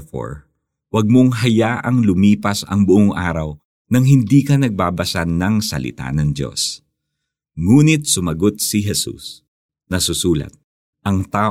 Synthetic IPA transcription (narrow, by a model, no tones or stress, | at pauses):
fo̰ɹ | wɐɡ̚moŋɦɐjaːʔɐŋlʊmiːpɐsɐ̰ŋbʊʔoŋʔa̰ːɾɐw | nɐŋɦɪnd̪iːkɐnɐɡ̚baːbɐsanɐŋsɐ̰lɪ̰t̪a̰nɐŋd̪o̞̰s | ŋuːnɪt̪̚sʊmɐɡot̪̚sɪɦɛsṵs | nɐsʊsuːlɐ̰t̪̚ | ʔɐŋt̪aː